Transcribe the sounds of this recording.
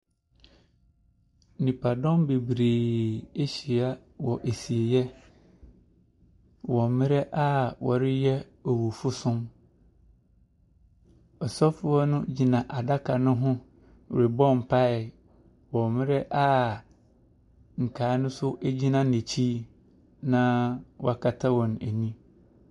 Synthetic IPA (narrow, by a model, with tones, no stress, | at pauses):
nĩ˨pʰa˨dɔ̃˦mbe˨bɾeː˨e˦ɕi˨a˦ | wɔ˨ʔe˨si˨e˨jɛ˦ | wɔ˨mɪ̃˦ɾɛ˦ʔa˦wɔ̰˨ɾɪ˦jɛ˦ | ɔ˨wu˨fʊ˦sʊ̃˦m | ɔ˨sɔ˦fʊ˦ɔ˦nʊ̃˦d͡ʑi˨nã˨ʔa˨da˦kʰa˨nʊ̃˦ɦʊ̃˦ | wɾɪ˨bɔ̃˦m˨pʰa˦ɪ˨ | wɔ̃˨mɪ̃˦ɾɛ˦ʔa˦ | ŋ̩˨kʰaː˨˦nʊ̃˦sʊ˦ʔæ˦d͡ʑi˦nã˨ne˨t͡ɕʰiː˦ | nã˦wɔ˦a˨kʰa˨tʰa˦wɔ̃˨næ˨nĩ˦